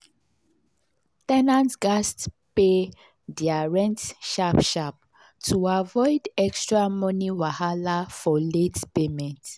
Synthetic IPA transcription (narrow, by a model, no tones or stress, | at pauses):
tɛnãntɡ̥ast | pe | diaɹɛ̃ntʃapʃap̚ | tuavɔɪdɛkstɹamɔniwahalafɔletpemɛ̃nt